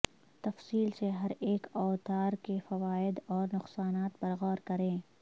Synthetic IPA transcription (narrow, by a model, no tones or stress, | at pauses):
t̪ɐfsiːlseɦɐɾeːkɔːt̪aːɾkefɐʋaːɪd̪ɔːɾnʊqsaːnaːt̪bɐɾɣɔːɾkɐɾẽː